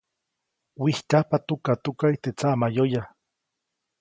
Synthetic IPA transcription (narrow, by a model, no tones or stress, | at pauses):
wihkahpat̪ukat̪ukaiht̪et͡samajoja